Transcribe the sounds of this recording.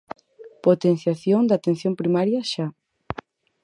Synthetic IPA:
pot̪en̟θjaθjoŋd̪at̪en̟θjompɾimaɾjɐʃa

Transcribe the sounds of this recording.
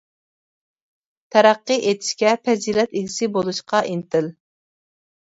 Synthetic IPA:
t̪ʰæɾæqːɨʔet̪ʰɪ̥ʃkʲɛpʰɛziːlɛt̪eɡʲɪsɪbolˠuʃqɑʔint̪ʰɪl

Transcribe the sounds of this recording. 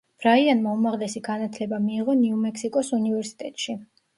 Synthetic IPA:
b̥ɾaianmaumaʁlɛsiɡanat̪ʰlɛbamiːʁɔniumɛksikʼɔsunivɛɾsi̥t̪ʼɛt̪ʼʃi

